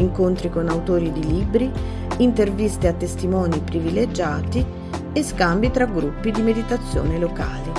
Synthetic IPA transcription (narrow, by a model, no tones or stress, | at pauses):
ŋkont̪ɾikonawt̪oːɾid̪iliːbɾi | int̪ervist̪eat̪ːest̪imɔːnipɾiviled͡ʒaːt̪i | eskambit̪ɾaɡɾupːid̪imed̪it̪at̪sːjo̰ːneloka̰ːli